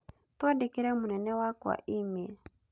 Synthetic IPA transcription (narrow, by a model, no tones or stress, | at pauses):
twadikiɾɛmunɛnɛwaka̰ʔimel